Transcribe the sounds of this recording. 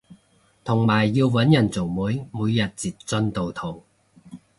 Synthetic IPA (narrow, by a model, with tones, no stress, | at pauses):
t̪ʰʊ˨˩ŋmaː˨˩jːiː˧wwɐ˨˥njɐ˨˩nt͡so˨˩ŋmuː˨˥jmuː˨˧jːɐ˨t̚t͡siː˨t̚t͡sɵ˥nt̪o˨wt̪ʰo˨˩w